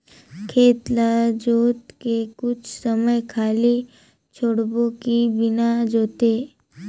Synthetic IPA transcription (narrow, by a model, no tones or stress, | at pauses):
kʰeːt̪lad͡ʒoːt̪kekʊt͡ʃʰsəməjkʰaːli | t͡ʃʰoːɽbõkibɪnad͡ʒoːt̪e